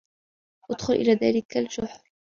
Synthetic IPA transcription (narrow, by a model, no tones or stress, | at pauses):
ʔʊd̪xʊlʔɪ̰laːðaːlɪkald͡ʒʊħɾ